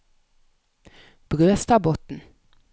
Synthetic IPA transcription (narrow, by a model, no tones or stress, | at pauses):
b̥ʁøːst̪ɑbɔt̪n̩